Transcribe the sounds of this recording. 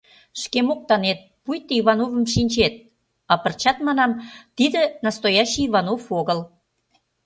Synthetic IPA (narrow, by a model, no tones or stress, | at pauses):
ʃkemok̚t̪ɑnet̪̚pujt̪ːəiβɑnovə̆mʃinʲt͡ɕet̪̚ | ɑpə̆rt͡ɕɑt̪mɑn̪ɑmt̪id̪ə̆nɑst̪ojɑɕiːβɑnofoɣəl